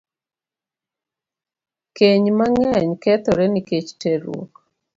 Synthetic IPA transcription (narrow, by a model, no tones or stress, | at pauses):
keɲmaŋɛɲkɛt̪ɔɾɛniket͡ʃteɾwo̰k